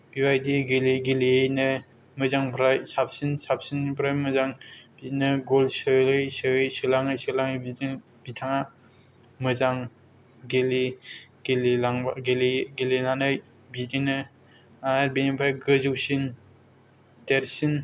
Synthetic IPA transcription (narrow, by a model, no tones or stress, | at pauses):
biwajdiɡeliɡeliejnɯ | mɯzaŋpʰɾajsap̚sinsap̚ʰsinbʰɾajmɯzaŋb̥idinɯɡɔlsɯlɯjsɯɯjsɯlaŋɯjsɯlaŋjbidi | b̥itʰaŋa | mɯzaŋ | ɡeliɡelilaŋɡeliɡelinanɯj | bidinɯ | anaɾbenipʰɾajɡɯzɯwsin | deɾsin